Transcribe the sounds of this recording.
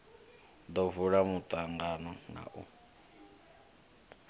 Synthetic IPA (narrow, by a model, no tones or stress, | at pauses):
d̪ɔvuɺamut̪ʼaŋɡanɔna̰ʔṵ